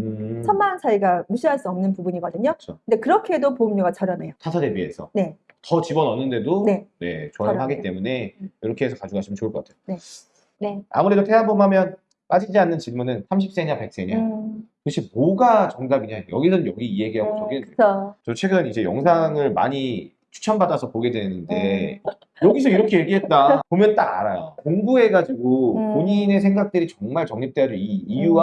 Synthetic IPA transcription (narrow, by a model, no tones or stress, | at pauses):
ɯt͡ɕʰʌnmant͡ɕaiɡamuɕʰiɦaɭs͈uʌmnɯnpubuɲiɡʌdɯɲoɯt͡ɕʰʌkɯndekɯɾʌkʰeedopoɯmɲoɡat͡ɕʌɾjʌnejotʰasʰade̞bie̞̰sʰʌne̞ | tʌt͡ɕibʌnʌnːɯnde̞donene̞̰t͡ɕoaɦaɡitt͈e̞mune̞jʌɾʌkʰe̞esʰʌkad͡ʑuɡaɕʰimɯnt͡ɕouɭk͈ʌk͈atʰejone̞ | ne̞a̰muɾedotʰe̞ɦanbumɦamjʌn | p͈ad͡ʑid͡ʑianːɯnt͡ɕiɭmunɯnsʰamɕ̬ʰip̚s͈e̞ɲape̞k̚s͈e̞ɲakɯɕ͈ʰimoɡat͡ɕʌŋsamiɲajʌ̰ɡisʰʌnjʌɡiieɡiɦaɡot͡ɕʌɡeet͡ɕʌt͡ɕʰwe̞ɡɯnid͡ʑe̞jʌŋsʰaŋɯɭma̰ɲi | t͡ɕʰu̥t͡ɕʰʌnbadasʰʌpoɡe̞dwe̞nɯnde̞̰ | jʌɡis̬ʰʌiɾʌkʰe̞jeɡiɦe̞t̚t͈apomjʌnt͈aɡa̰ɾajo̰koŋbue̞ɡad͡ʑiɡopoɲine̞sʰeŋɡak̚t͈ɯɾit͡ɕʌŋmaɭt͡ɕʌŋɲip̚t͈e̞ad͡ʑoiːjuwa